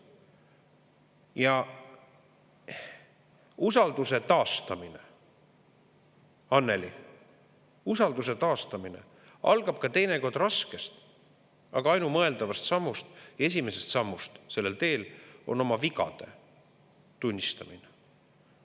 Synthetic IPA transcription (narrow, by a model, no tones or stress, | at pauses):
jɑ | usɑld̪̥use̞t̪ɑːst̪ɑmine | ɑnːe̞lḭ | usɑld̪us̬e̞t̪ɑːst̪ɑminḛ | ɑ̰lɡ̥ɑb̥̚kɑt̪e̞jne̞ko̞rd̪rɾɑske̞st̪ | ɑɡ̥ɑɑjnumɤe̞ld̪ɑvɑst̪sɑmːust̪jɑe̞sʲimese̞st̪sɑmːust̪se̞lːe̞lt̪e̞ːlo̞̰no̞mɑvikɑ̰d̪̥e̞̰ | t̪unʲːist̪ɑmine